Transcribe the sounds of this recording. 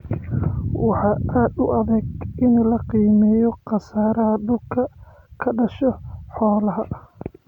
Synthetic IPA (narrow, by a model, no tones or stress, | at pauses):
wɑħɑːʔaːd̪ʊʔɐðɛːɡɪnlɐqiːmɛːjɔqɑsaːɾɐɦɐɖʊlkʰɐ | kʰɐɖɐʃɔħɔːlɐɦɐʔ